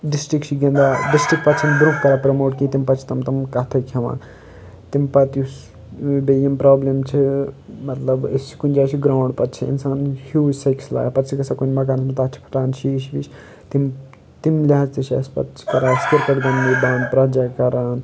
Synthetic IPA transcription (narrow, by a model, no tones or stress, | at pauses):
ɖisʈɾikt͡ʃʰiɡẽnd̪aːɖisʈɾik̚pɐt̪t͡ʃʰind̪ɾukkɐɾapɾɐmoːʈkĩt̪impɐt͡ʃʰi̥t̪ɐmt̪ɐmkɐt̪ʰɐkʰɐʋã̰ː | t̪impɐt̪jus | bejɐmpɾaːblemt͡ʃʰimɐt̪lɐbest͡ʃʰi̥kunʲd͡ʒaːt͡ʃʰiɡɾaːɳɖpɐt̪t͡ʃʰiḭnsaːnhjuːd͡ʒsɐjksla̰ːjpɐt̪t͡ʃʰikɐsakunmɐk̬aːnsʰmit̪at̪t͡ʃʰi̥pʰɐ̥ʈaːnʃiːʃbit͡ʃʰ | t̪im | t̪imlʲaazt̪it͡ʃʰa̰spɐ̰t̪t͡ʃʰi̥kɐɾaːskiɾkɐʈɡɐnːib̪aːnpɾɐd͡ʒakɐɾaːn